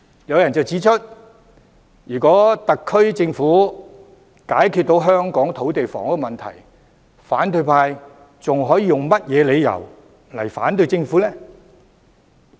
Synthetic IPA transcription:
jɐ˨˧wjɐ˨˩nt͡sɐ˨˩wt͡siː˨˥t͡ʃʰɵ˥t̚ | jyː˨˩kɔː˨˥t̪ɐ˨kʰːɵ˥ɥt͡sɪ˧ŋfuː˨˥ | kaː˨˥jkʰyː˧t̚t̪o˨˥wɦœː˥ŋkɔː˨˥ŋt̪ʰo˨˥wt̪e˨jfɔ̰˨˩ŋ˥kːmɐ˨nt̪ʰɐ̰˨˩j | faː˨˥nt̪ɵ˧ɥpʰaː˧j | t͡sʊ˨ŋɦɔː˨˥jiː˨˧jʊ˨ŋmɐ˥t̚jɛː˨˧le˨˧jjɐ̰˨˩w | lɐ̰˨˩jfa̰ː˨˥nt̪ɵ˧ɥt͡sɪ˧ŋfuː˨˥lɛː˥

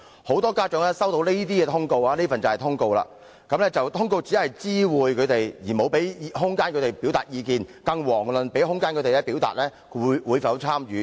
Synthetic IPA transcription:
ho˨˥wt̪ɔː˥kaː˥t͡ʃœː˨˧˥ŋlɛ˥sɐ˥wt̪o˧wle˥jt̪iː˥kɛː˧t̪ʰʊ˥ŋko˧waː˧le˥fɐ˨nt͡sɐ˨whɛ˨jt̪ʰʊ˥ŋko˧wla̰ː˧ | kɐ˨˥mlɛː˥t͡sɐ˨wt̪ʰʊ˥ŋko˧wt͡siː˨˥hɐ˨jt͡siː˥wuː˨jkʰɵ˨˧ɥt̪e˨jjiː˨˩mo˨˧wpe˨˥jɦʊ˥ŋkaː˥nkʰɵ˨˧t̪e˨jpi˨˥wt̪a̰ː˨t̚jiː˨˧kiː˨nkɐ˧ŋwɔː˨˩ŋlɵ˨npe˨˥jɦʊ˥ŋkaː˥nkɵ˨˧˥t̪e˨˧lɛː˦˥piː˨˥wt̪a̰ː˨t̚lɛː˥˨˧ | jwuː˨˧jfɐ˨˥wt͡sʰaː˥mjyː˨˥

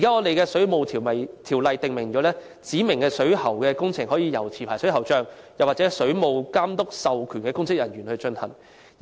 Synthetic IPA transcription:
i˨kaː˨˥ŋɔː˨˧t̪e˨jkɛː˧sɵ˨˥ɥmo˨wt̪ʰiː˨˩mɐ˨˩jt̪ʰiː˨˩wlɐ˨jt̪ɪ˨ŋmɪ˨˩ŋt͡ʃɔː˨˧˥lɛː˥ | t͡siː˨˥mɪ˨˩ŋkɛː˧sɵ˨˥ɥhɐ˨˩wkɛː˧kʊ˥ŋt͡sʰɪ˨˩ŋɦɔː˨˥jiː˧jɐ˨˩wt͡sʰiː˨˩pʰaː˨˩sɵ˨˥ɦɐ˨˩wt͡ʃœː˧ŋjɐ˨waː˨t̚t͡sɛ˨˥sɵ˨˥ɥmo˨˧wkaː˥mt̪ʊ˥k̚sɐ˨wkʰyː˨˩nkɛː˧kʊ˥ŋsɪ˥k̚jɐ˨˩njyː˨˩nhɵ˧ɥt͡ʃɵ˧nhɐ˨˩n˨

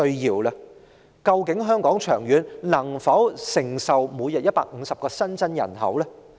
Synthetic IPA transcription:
ɵ˧ɥjiː˨wlɐ˧ | kɐ˧wkɪ˨˥ŋɦœː˥ŋkɔː˨˥ŋt͡ʃʰœː˨˩ŋjyː˨˧nnɐ˨˩ŋfɐ˨˥wsɪ˨˩ŋsɐ˨wmuː˨˧jɐ˨t̚jɐ˥t̚pa̰ː˧k̚ŋ̩ː˨˧sɐ˨p̚kɔː˧sɐ˥nt͡sɐ˥njɐ̰˨˩nɦɐ̰˨˥wlɛː˥

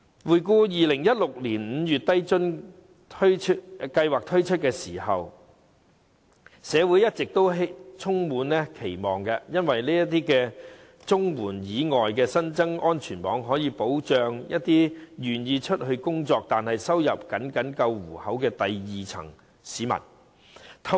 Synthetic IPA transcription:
wuː˨˩jkuː˧jiː˨lɪ˨˩ŋjɐ˥t̚lʊ˨k̚liː˨˩nm̩˨˧jyː˨t̚t̪ɐ˥jt͡ʃɵ˥n | tʰkɐ˧jwaː˨˩k̚t̪ʰɵ˥ɥt͡ʃʰɵ˥t̚kɛː˧siː˨˩hɐ˨w | sɛː˨˧wuː˨˥jɐ˥t̚t͡sɪ˨k̚t̪o˥wɦt͡sʰʊ˥ŋmuː˨˥nlɛ˥kʰe˨˩jmɔː˨ŋkɛ˧jɐ˥nwɐ˨jliː˥jɐ˥t̪iː˥kɛː˧ | t͡sʊ˥ŋwuː˨˩njiː˨˧ŋɔː˨jkɛː˧sɐ˥nt͡sɐ˥ŋɔː˥nt͡ʃʰyː˨˩npɔː˨˥ŋɦɔː˨˥jiː˨˧po˨˥wt͡ʃœː˨˧ŋjʔɐ˦˥t̚t̪iː˥jyː˨˩njiː˧t͡ʃʰɵ˥t̚hɵ˧ɥkʊ˥ŋt͡sɔː˧k̚t̪aː˨nhɐ˨jsɐ˥wjɐ˨p̚kɐ˨˥nkɐ˨˥nkɐ˧wwuː˨˩hɐ˨˥wkɛː˧t̪ɐ˨jjiː˨t͡sʰɐ̰˨˩ŋ | siː˨˧˥mɐ̰˨˩n | t̪ʰ

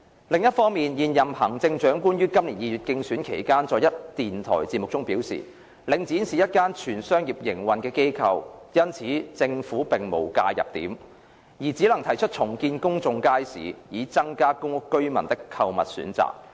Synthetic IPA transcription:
lɪ˨ŋjɐ˥t̚fɔː˥ŋmiː˨njiː˨˧njɐ˨mhɐ˨˩ŋt͡sɪ˧ŋt͡ʃœː˨˥ŋkuː˥njyː˥kɐ˥mliː˨˩njiː˨˧jyː˨t̚kɪ˧ŋsyː˨˥nkʰe˨˩jkaː˥nt͡sɔː˨˧jɐ˥t̚t̪iː˨nt̪ʰɔ̰ː˨˩jt͡siː˧mʊ˨k̚t͡sʊ˥ŋpiː˨˥wsḭː˨ | lɪ˨ŋt͡siː˨˥nsiː˨jɐ˥t̚kaː˥nt͡ʃʰyː˨˩nsœː˥ŋjiː˨p̚jɪ˨˩ŋwɐ˨nkɛː˧ke˥jkʰɐ˧wjɐ˥nt͡sʰiː˨˥t͡sɪ˧ŋfuː˨˥pɪ˨ŋmo˨˩wka̰ː˧jɐ̰˨p̚t̪ḭː˨˥m | jiː˨˩t͡siː˨˥lɐ˨˩ŋt̪ʰɐ˨˩jt͡ʃʰɵ˥t̚t͡ʃʰʊ˨˩ŋkiː˧nkʊ˥ŋt͡sʊ˧ŋkaː˥jsḭː˨˦jiː˨˧t͡sɐ˥ŋkaː˥kʊ˥ŋʊ˥kkːɵ˥ɥmɐ˨˩nt̪ɪ˥kʰːɐ˧wmɐ˨t̚sy̰ː˨˥nt͡sa̰ː˨k̚

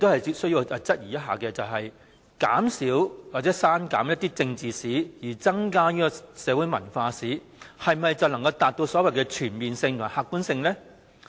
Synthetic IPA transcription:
ɪ˧k̚t̪o˥hɐ˨jt͡si˧˥p̚sɵ˥ɥji˧wɐ˨˧t͡sɐ˥t̚jiː˨˩jɐ˥t̚ɦa̰ː˨kɛː˧t͡sɐ˨wɦɐ˨j | ka̰ː˨˥msiː˨˥wwaː˨t͡sɛ˨˧˥saː˥nka̰ː˨˥mjɐ˥t̚t̪iː˥t͡sɪ˧ŋt͡siː˨siː˨˥jiː˨˩t͡sɐ˥ŋkaː˥niː˥kɔ˧sɛː˨˧wuː˨˥jmɐ̰˨˩nfaː˧siː˨˥ | hɐ˨jmɐ˨jt͡sɐ˨˩wlɐ˨˩ŋkɐ˧wt̪aː˨t̚t̪o˧wsɔː˨˥wɐ˨jkɛː˧t͡ʃʰyː˨˩npiː˨nsɪ˧ŋt̪ʰʊ˨˩ŋ˨˩haː˨˧kːuː˨˥nsɪ˧ŋlɛː˥

